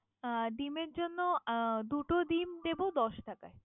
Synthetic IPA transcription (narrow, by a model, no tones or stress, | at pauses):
ɖ̪imeɾd͡ʑonːod̪uʈod̪imd̪ebod̪ɔʃʈaka̰e